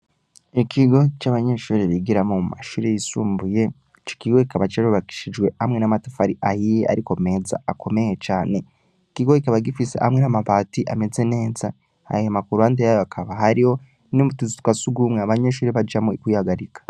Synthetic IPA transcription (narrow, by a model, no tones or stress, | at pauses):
ikʰiɡo̞t͡ʃaβaɲe̞ːʃuːɾiβiɡiɾamomuma̰ʃuːɾejisuːmbuje̞ | t͡ʃo̥kiɡo̞kikaβat͡ʃaɾuβaki̥ʃid͡ʒɡwe̞amŋe̞namatafaɾiʔahijeʔa̰ɾiko̞me̞ːza̰akʰo̞me̞jet͡ʃaːne̞ | ikiɡo̞ikaβaɡifise̞̰ha̰mŋenamaβaːtiʔame̞ze̞ne̞ːza | ha̰jiamakuɾuhandejajoakʰaβaɦaɾiho̞ | noβutuzitwasuɡuːmŋeaβaɲeʃuːɾiβad͡ʒamuikwuihaɡaɾikḁ